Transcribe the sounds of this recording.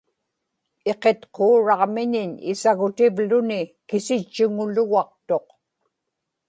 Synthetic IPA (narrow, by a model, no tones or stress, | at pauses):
e̞qe̞t̪qoːɻɑʁmɪɲɪɲɪ̰saɣʊt̪ɪvlʊnɪkɪsɪt͡ʃːʊŋʊlʊɣɑq̚t̪o̞q